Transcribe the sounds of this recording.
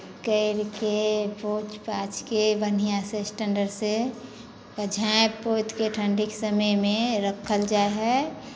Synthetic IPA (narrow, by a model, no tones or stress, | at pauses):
kəɪɾkepoːt͡ʃpaːt͡ʃkebənijãsesʈə̃ɳɖəɾse | kəd͡ʒʱapoːt̪keʈʰə̃ɳɖɪksəməjmẽɾəkʰəld͡ʒaːeɦɛ